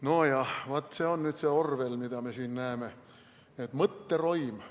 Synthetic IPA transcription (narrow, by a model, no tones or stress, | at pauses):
no̞jɑvɑt̪ːˑse̞onnyːd̪̥seorvelmid̪̥ɑme̞siːnnæeme̞ | et̪ːˑmɤt̪ːero̞jm